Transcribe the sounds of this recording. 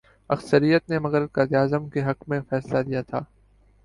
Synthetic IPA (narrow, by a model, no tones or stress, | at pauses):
ɐxsəɾijət̪nemɐɣəɾ̚kaːd̪iaːzəmkeɦɐkmẽfɛːslad̪ijat̪ʰaː